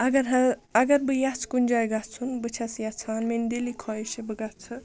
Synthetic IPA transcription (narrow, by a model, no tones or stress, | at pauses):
ɐɡɐɾɦɐɐɡɐɾbɨjat͡sʰkunʲd͡ʒaːjɡat͡sʰunbɨt͡ʃʰɐsjat͡sʰaːnmend̪elikʰɔjeʃebɨɡat͡sʰɨ